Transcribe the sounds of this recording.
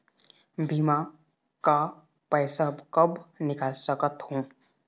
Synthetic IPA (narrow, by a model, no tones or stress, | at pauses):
bʱima | ka | pɛɪsabkəbnɪkaːlsəkət̪hõː